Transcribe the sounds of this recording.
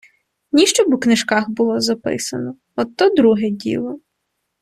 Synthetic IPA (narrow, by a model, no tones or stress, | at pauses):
nʲiʃt͡ʃɔbʊknɪʃkɑxbʊlˠɔzɐpɪ̰sɐnɔ | ɔt̪ːɔd̪ɾuɦɛdʲḭlˠɔ